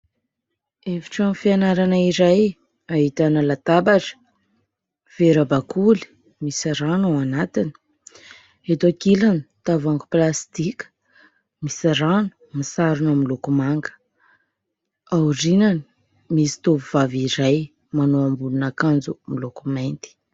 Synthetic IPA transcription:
evi̥ʈ͡ʂamfianaɾanaiɾaj | aɦit̪anəlat̪abaʈ͡ʂə̥ | v̥eɾabakʰuli̥ | misɾanaanat̪ini̥ | et̪okilanit̪avaŋɡu̥plast̪ikʲə̥ | misiɾanu̥ | misaɾunamilokumaŋɡə̥ | awrinani | misi̥t̪ovuvaviɾaj | manoambulunakand͡zumilokumajnt̪i̥

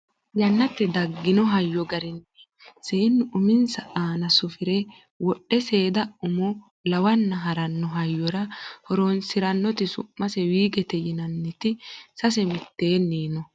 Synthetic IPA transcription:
jɐnːɐt̪ːɛd̪ɐɡːɪnɔɦɐjːɔɡɐɾɪnɛ̥ | seːnːʊʔʊmɪnsɐʔaːnɐsʊfɪɾɛ | wɔɗːɛse̞ːd̪ɐʊmɔ | lɐwɐnːɐɦɐɾɐnːɔɦɐjːɔɾɐhɔɾonsɪɾɐnːɔt̪ɪsʊ̰mːɐsɛwiːɡɛt̪ɛjɪnɐnːɪt̪ɪsɐs̬ɛmɪt̪ːe̞ːnːiːnɔ

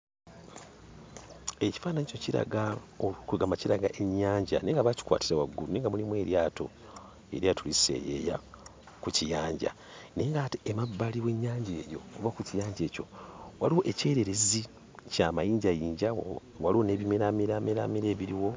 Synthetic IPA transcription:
e̞ci̥faːnaɲicociɾa̰ɡaokuɡamaciɾaɡaʔe̞ɲːaːɲɟaneːŋɡaβaci̥kwa̰ːtiɾawaɡːuneːŋɡamulimwe̞ːɾjaːto̞̰ | e̞ɾjatulisḛjḛja̰ | kucijaːɲɟa̰ | ne̞ːŋɡatiemabːaliwe̞ɲːaːɲɟe̞ːjo̞̰ːβakucijaːɲɟe̞ːco̞̰waliwoʔe̞ce̞ːɾeɾezi | camajiːɲɟajiːɲɟa | waliwone̞ːβimeɾamiɾameɾa̰miɾe̞ːβiɾiwo̞

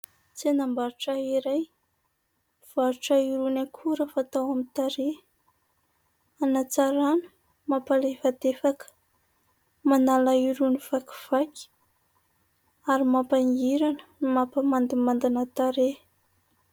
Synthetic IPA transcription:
t͡senambaɾuʈ͡ʂaiɾaj | v̥aɾuʈ͡ʂaiɾunakʰuɾafat̪awamit̪aɾe | anat͡saɾanu̥ | mapalevad̪efakə̥ | manalaiɾuniv̥aki̥v̥akʲi̥ | aɾimapaŋiɾanə̥nimapəmand̪imand̪inat̪aɾe

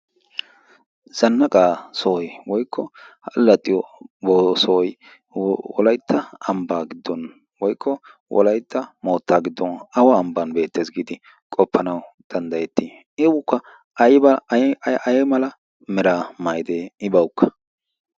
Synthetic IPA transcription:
z̥ɐnːɐkʼaːsɔɔjwɔjkʰːɔhɐlːɐt̪ʼːɪjɔboːsɔj | wɔlɐjt̪ʰːɐɐmbaːɡɪd̪ːɔn | wɔjkʰːɔ | wɔ̰lɐjt̪ːɐmo̞ːt̪ːaːɡɪd̪ːɔnɐwɔːmbɐnbe̞ːt̪ːeːzɡɪd̪ɪ | kʼɔpːɐnɐw | d̪̥ɐnd̪ɐjɛt̪ːɪ | ɪwʊkːɐ | ɐjbɐ | ɐjɛmɐlɐ | mɛɾaːmajd̪eːɪbɐwkːɐ̥

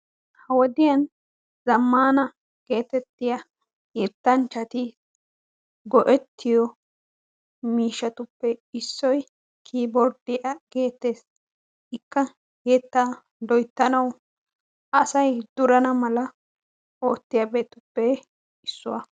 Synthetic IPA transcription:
hɐwɔd̪ɪjɐn | zɐmːaːnɐ | ɡ̥e̞ːt̪ɛt̪ːɪjɐ | jɛt̪ːɐnt͡ʃːɐt̪ɪ | ɡɔʔɛt̪ːɪjɔ | miːʃɐt̪ʊpːɛɪsːɔj | kʰiːbɔɾd̪ɪjɐɡe̞ːt̪ːe̞ːs | ɪkːɐ | jɛt̪ːa | d̪ɔjt̪ːɐnɐw | ʔɐsɐjd̪ʊɾɐnɐmɐlɐ | oːt̪ːɪjabeːt̪ʊpːɛ | ɪsːʊwɐ̰

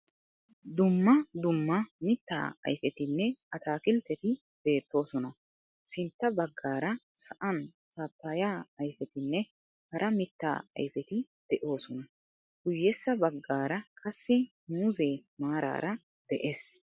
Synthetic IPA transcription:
d̪ʊmːɐd̪ʊmːɐmɪt̪ːa̰ːɐ̰jfɛt̪ɪnːɛɐt̪aːkɪlt̪ːɛt̪ɪ | b̥e̞ːt̪ːo̞ːsɔnɐ | sɪnt̪ːɐbɐɡːaːɾɐsɐʔɐnt̪aːpːajaːɐjfɛt̪ɪnːɛ | hɐɾʔɐmɪt̪ːa̰ːɐ̰jfɛt̪ɪ | d̪̥ɛʔo̞ːsɔnɐ | ɡ̥ʊjːɛsːɐbɐɡːaːɾɐkʼɐsːɪnuːze̞ːmaːɾa̰ːɾɐ | d̪̥ɛʔeːs

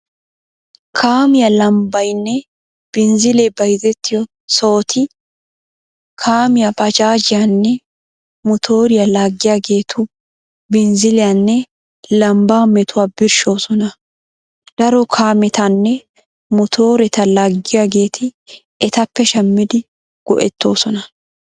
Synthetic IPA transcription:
kʰaːmɪjɐlɐmbɐjnːɛ | b̥ɪnzɪlɛbɐjzɛt̪ːɪjɔ | so̞ːt̪ʰɪ | kʰaːmɪjɐbɐd͡ʒaːd͡ʒɪjanːɛ | mɔt̪ʰo̞ːɾɪjɐlaːɡːɪjaːɡe̞ːt̪ʰʊ | bɪnzɪlɪjanːɛ | lɐmbaːmɛt̪ʊwaːbɪɾʃo̞ːsɔnɐ | d̪̥ɐɾɔkʰaːmɛt̪ɐnːɛ | mɔt̪ʰo̞ːɾɛt̪ɐlaːɡːɪjaːɡe̞ːt̪ʰɪ | ɛt̪ɐpːɛʃɐmːɪd̪ɪ | ɡ̥ɔ̰ʔɛt̪ːo̞ːsɔnɐ

